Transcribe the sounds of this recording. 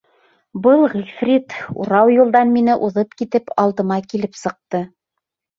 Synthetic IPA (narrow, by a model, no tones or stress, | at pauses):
bɤlˠʁilʲfrʲit̪ṵɾɑwjulˠd̪ɑnminɘʔuðɤpkit̪ɘpɑlˠd̪ɤ̆mɑkilɘpsɤ̆q̚t̪ɤ